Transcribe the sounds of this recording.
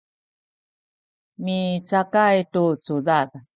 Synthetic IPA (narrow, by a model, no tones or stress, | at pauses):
mit͡sakajtut͡suðað